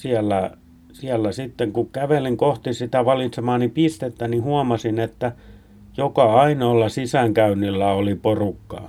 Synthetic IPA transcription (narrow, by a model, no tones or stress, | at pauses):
siælːæ | siælːæsit̪ːeŋkukkæʋeliŋkoht̪isit̪æʋɑlit̪semɑːnnipist̪et̪ːænihuɑmɑsinet̪ːæ | jokɑɑinoːlːɑsisæŋkæynːilːæoliporukːɑ̰ː